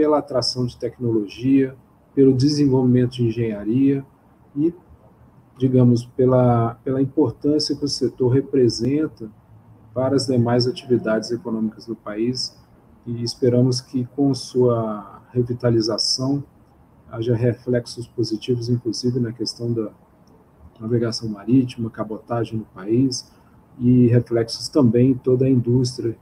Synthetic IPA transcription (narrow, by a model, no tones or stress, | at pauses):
pelɐat̪ɾasɐ̃w̃d͡ʒɪt̪ɛknoloʒiɐ | pelʊd͡ʒɪzẽvowvimẽnt̪ʊd͡ʒɪĩʒẽjaɾiɐ | ɪ | d͡ʒiɡɐ̃mʊspelɐpelɐĩpoɾt̪ɐ̃siɐkɪʊset̪oɾɦepɾezẽnt̪ɐ | paɾɐɐzd̪emajzat͡ʃivid̪ad͡ʒɪzekonõmikɐzd̪ʊpais | ɪːspeɾɐ̃mʊs̬kɪkõɐsuɐhevit̪alizasɐ̃w̃ | a̰ʒɐɦeflɛksʊspozit͡ʃivʊzĩkluzivɪnɐkest̪ɐ̃w̃d̪ɐ | naveɡasɐ̃w̃maɾit͡ʃimɐkabot̪aʒẽj̃nʊpais | ɪɦeflɛksʊ̥st̪ɐ̃mbẽj̃ẽt̪od̪ɐĩd̪ust̪ɾʲiɐ